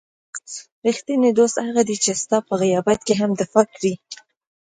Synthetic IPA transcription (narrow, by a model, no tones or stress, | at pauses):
ɾixt̪ined̪ost̪haɣad̪it͡ʃest̪ɑpəɣajɑbat̪keɦamd̪afɑkɾi